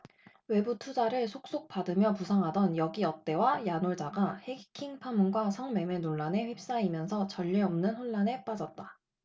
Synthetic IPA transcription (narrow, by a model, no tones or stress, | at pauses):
we̞butʰud͡ʑaɾɯɭsʰok̚s͈ok̚p͈adɯmjʌpusʰʌŋɦadʌnjʌɡiʌt̚t͈e̞wajanoɭd͡ʑaɡahekʰiŋpʰamunɡwasʰʌŋme̞me̞noɭːane̞ɸwep̚s͈aimjʌnsʰʌt͡ɕʌʎːeʌmnɯnɸoɭːane̞p͈ad͡ʑʌt̚t͈a